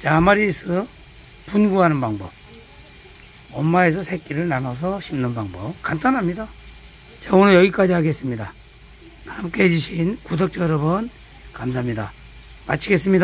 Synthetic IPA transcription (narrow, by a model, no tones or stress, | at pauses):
t͡ɕamaɾisʰɯ | punɡuɦanɯnbaŋbʌp̚ | ʌmːae̞s̬ʰʌsʰe̞k͈iɾɯɭnanʌs̬ʰʌɕʰimnɯnbaŋbʌp̚kant͈anɦamɲida | t͡ɕaonɯnjʌɡik͈ad͡ʑihaɡe̞s͈ɯmɲida | hamk͈eed͡ʑuɕʰinkudʌk̚t͡ɕ͈ʌʌɾʌbun | kamsʰaamɲida | mat͡ɕʰiɡe̞s͈ɯmɲida